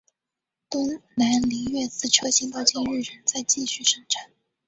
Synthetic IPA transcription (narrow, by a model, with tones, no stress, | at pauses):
t̪ʊ˥ŋna˧˥nli˧˥ɥɛ˥˧t͡sɹ̩˥˩ʈ͡ʂʰjɤ˥ɕi˧˥ŋt̪ɑ˥˧ʊt͡ɕi˥˧nɻɻ̩˥˩ɻə˧˥nt͡sa˥˧ɪt͡ɕi˥˧ɕy˥˩ʂɤ˧˥ŋʈ͡ʂʰa˨˧˩n